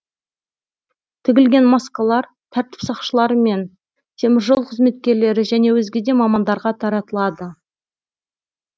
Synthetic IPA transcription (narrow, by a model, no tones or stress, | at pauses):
t̪ʰɪɡʲɪlɡʲe̞nmɑskɑlˠɑɾ | t̪ʰæɾt̪ɪ̥psɑqʃəlˠɑɾəme̞n | t̪ʰe̞mɪɾʒolˠqʰəzme̞t̪̚kʲe̞ɾle̞ɾɪʒæne̞wɵzɡʲe̞d̪e̞mɑmɑnd̪ɑɾʁɑt̪ʰɑɾɑt̪əlˠɑd̪ə